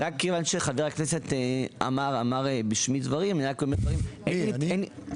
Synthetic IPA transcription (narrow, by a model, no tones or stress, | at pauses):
ʁakːevanʃeχadeʁakneset̪ea̰maʁa̰maʁbiʃmidvaʁimniakomed̪vaʁimeeni